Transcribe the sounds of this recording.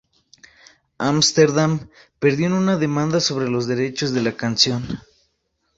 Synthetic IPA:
amst̪eɾðam | pe̞ɾðjoenunaðe̞mãnd̪aso̞βɾe̞lo̞zðe̞ɾe̞t͡ʃo̞zðe̞lakansjo̞n

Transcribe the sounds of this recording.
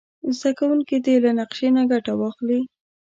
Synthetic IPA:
zd̪akawuŋkid̪elanaqʃenaɡaʈawɑxli

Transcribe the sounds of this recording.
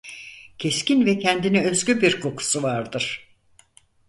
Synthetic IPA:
cʰescinvɛcʰɛnd̪inɛøzɟʲybiɾkʰo̞kʰu̥suvaɾd̪ɯɾ̥

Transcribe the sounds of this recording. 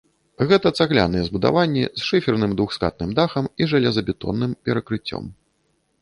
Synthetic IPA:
ɣɛt̪ɐt̪saɣlʲa̰nɨjɛzbud̪a̰vanʲːḭzʂɨfʲɛrnɨmd̪vuxska̰t̪nɨmd̪axɐmiʐɐlʲɛzɐbʲit̪ɔ̰nːɨmpʲɛɾɐkɾɨt͡sʲːɔ̰m

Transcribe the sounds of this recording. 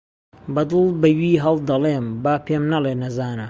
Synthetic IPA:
bɐd̪ɨlˠbɐwiːɦɐlˠd̪ɐleːmbaːpʰeːmnɐleːnɐzaːnɐ

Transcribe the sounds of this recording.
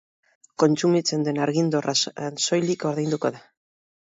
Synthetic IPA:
ko̞nt͡sumit͡se̞nd̪e̞naɾɣind̪orʔaso̞jliko̞ɾðejnd̪uko̞ða

